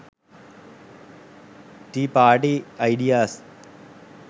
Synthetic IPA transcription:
ʈipaːɾʈiɐɪɖijaːs

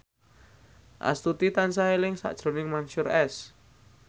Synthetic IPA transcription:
ʔa̰st̪ut̪it̪ansaɦelɪŋsa̰ʔd̥ʒ̥ɾo̤nɪŋmanʃʊɾɛs

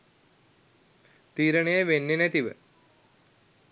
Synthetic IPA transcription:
t̪iːɾəɳejeʋenːenɛt̪iʋə̰

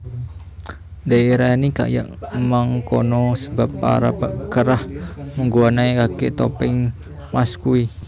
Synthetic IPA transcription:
daeɾainika̰ja̰ʔmaŋkɔnɔsəbapːa̰ɾa̰baʔkəɾahməŋɡuanaekakeʔt̪ɔpɪŋ | maskui

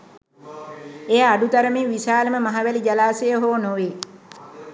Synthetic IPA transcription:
ejaaɖut̪aɾəmiːʋisaːləməmaɦaʋælid͡ʒalaːsejəɦoːnoʋe

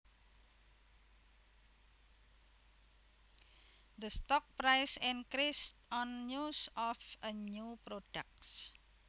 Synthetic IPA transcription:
d̪əst̪ɔk̚pɾajsinkɾistɔnːusɔfəɲupɾoɖ̥ak̚s

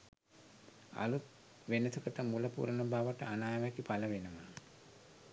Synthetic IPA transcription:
a̰lut̪̚ | ʋenət̪ukəʈəmuləpṵɾənəbaʋəʈəanaːjʋækipaləʋenəʋa

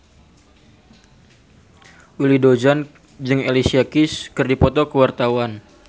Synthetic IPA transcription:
wilidod͡ʒan | d͡ʒɨŋelisiakɪskɨrdipɔt̪ɔkəwart̪awan

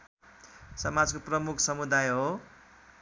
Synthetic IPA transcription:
sʌmad͡zkoprʌmukʰsʌmud̪ajɦo

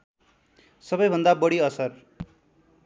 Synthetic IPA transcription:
sʌbʌjbʱʌnd̪abʌɽiʌsʌr

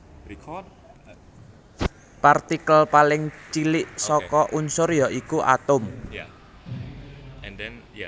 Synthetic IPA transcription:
part̪ikəlpalɪŋt͡ʃilɪʔsɔkɔʔunsʊrjɔʔikuʔa̰t̪ʊm

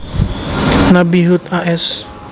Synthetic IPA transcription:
nabiɦut̪aʔɛs

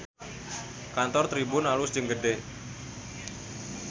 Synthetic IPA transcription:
kant̪ɔrt̪ɾibʊnalʊsd͡ʒəŋɡəɖe

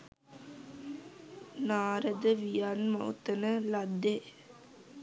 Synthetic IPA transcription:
naːɾɐd̪ɐʋijaːnmɐwt̪ɐnɐlɐd̪ːe

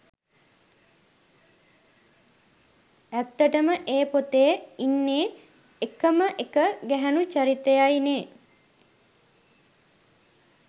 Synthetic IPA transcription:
æt̪ːəʈəməʔeːpot̪ejəinːeː | ekəməʔekəɡæɦænut͡ʃaɾit̪ejajneː

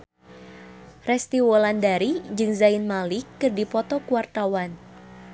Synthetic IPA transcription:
rɛst̪iwɔlandaɾid͡ʒɨŋzainmalikːɨrdipɔt̪ɔkuwart̪awan

